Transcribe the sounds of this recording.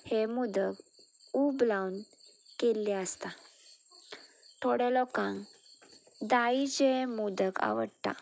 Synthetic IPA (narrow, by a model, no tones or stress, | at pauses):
hemud̪əɡ | ublawn | kelːeəst̪a | t̪ʰoɽɛlɔkãŋɡ | d̪ait͡ɕemud̪əka̰ʋəɽt̪a̰